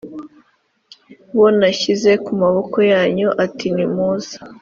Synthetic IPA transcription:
wonaçize̞kumaβo̞ko̞jaːɲoʔatinimuːz̥ḁ

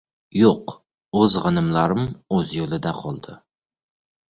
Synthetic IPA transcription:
joq | ɵzʁɨnɪmlaɾɪmɵzjolˠɪd̪aqʰɒlˠd̪ɪ

